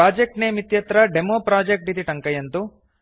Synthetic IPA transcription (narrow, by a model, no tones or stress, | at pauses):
aːd͡ʒek̚ʈneːmit̪jɐt̪ɾɐɖemoːpɾaːd͡ʒek̚ʈit̪iʈɐŋkɐjɐnt̪u